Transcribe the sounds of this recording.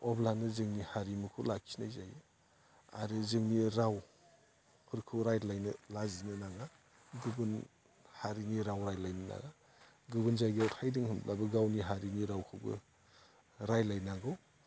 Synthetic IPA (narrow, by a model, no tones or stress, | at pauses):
ɔblanɯzɯŋnihaɾimɯkʰulakʰinajzaj | a̰ɾɯzɯŋniɾaw | hʰɯɾkʰɯwɾajtlajnɯlazinɯnaŋa | ɡɯbɯn | haɾiniɾawɾajtlajnɯna̰ŋa | ɡɯbɯnzajɡiɔtʰajdɯŋhɯmlʔabɯɡawniɦaɾiniɾawkʰɯwɡɯ̰ | ɾajlajnaŋɡɯw